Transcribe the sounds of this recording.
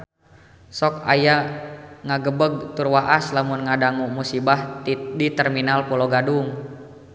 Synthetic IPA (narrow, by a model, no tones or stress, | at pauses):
sɔka̰jaŋaɡəbəɡ̚t̪urwaʔaslamunŋadaŋumusibaht̪idit̪ɛrminalpɔlɔɡaduŋ